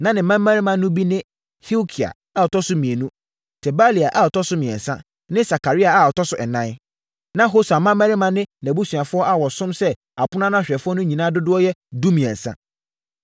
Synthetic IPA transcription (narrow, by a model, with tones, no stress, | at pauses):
nã˦nɪ̃˨˦mã˦mː˦æ̃˦ɾɪ˦mã˨nːʊ̃˦bi˦nɪ̃˦ | hi˦o˦kʰi˨a̰˨ | a˦˨ɔ˨tʰɔ˦sʊ˦mĩ˨e˨nũ˦ | tʰɛ˨ba˦li˨a˨ʔa˦˨ɔ˨tʰɔ˦sʊ˦mĩ˨ɛ̰˨n˨sã̰˦ | nɪ̃˦sa˨ka˨ɾi˦a˨a˨ɔ˨tʰɔ˦sʊ˦ɛ˨nã˦n | nã˦ɦo˦sa˨mːã˦mː˦æ̃˦ɾɪ˦mã˦nɪ̃˦næ˨bu˦su˨a˨fʊ˦ɔ˦a˦wɔ˨sʊ̃˦msɛ˦ | a˨pʊ˦n˦ã˦nã˦˨ɕᶣɛ˨fʊ˦ɔ˦nʊ̃˦ɲĩ˨nãː˦dʊ˦dʊ˦ɔ˦jɛ˦du˦mĩ˨ɛ̰̃˨n˨sã̰˦